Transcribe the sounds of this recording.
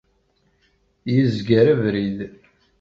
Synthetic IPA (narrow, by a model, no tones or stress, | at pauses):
jizɡəɾævɾið